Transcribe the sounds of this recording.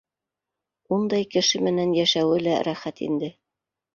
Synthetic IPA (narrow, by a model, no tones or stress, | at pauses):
und̪ɑjkɘ̆ʃɘmɘ̆nænjæʃæwɘlæɾæχæt̪ḭnd̪ɘ